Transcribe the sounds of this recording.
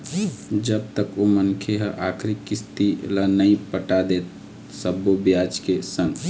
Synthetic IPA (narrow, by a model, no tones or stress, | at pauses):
d͡ʒəb̚t̪əkomənkʰeɦəʔakʰɾikːist̪ḭlanəĩpəʈad̪et̪̚ | səbːobjad͡ʒkesən